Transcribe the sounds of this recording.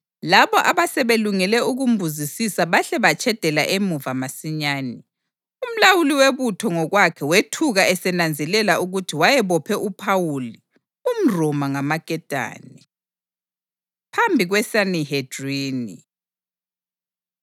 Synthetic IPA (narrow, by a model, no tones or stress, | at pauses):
laβɔʔaβasɛβeluŋɛlɛuɣumbʱuzisisaβaɬɛβat͡ʃʰʼɛd̥ʱɛla̰ʔemuvamasiɲaːni | um̩lawuliweβutʰɔŋɔɣwakʰɛwetʰuɣaʔɛsɛnand͡zʱɛlɛlauɣutʰiwajɛβɔpʰɛʔupʰawuli | um̩rɔmaŋamaɡ̥ʼʱɛd̥ʱa̰ːnɛ | pʰambʱiɣwɛsanihed̥riːnḭ